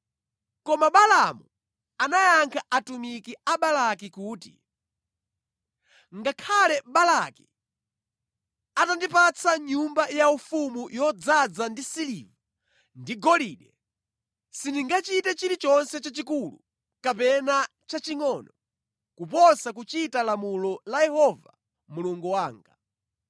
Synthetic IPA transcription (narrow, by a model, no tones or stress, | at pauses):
kɔmaɓalamu | anajaŋkʰaʔatumikiaɓalakikuːtḭ | ŋɡakʰalɛɓalaki | atandipat͡sʰaɲumbajaufumujɔd͡zad͡zandisiliva | ndiɡɔliɗɛ | sindiŋɡat͡ʃitɛt͡ʃiɾit͡ʃɔnsɛt͡ʃat͡ʃikulṵ | kapɛna | t͡ʃat͡ʃiŋɔnɔ | kupɔsak̬ut͡ʃitalamulɔlajɛhɔva̰ | muluŋɡuwaːŋɡa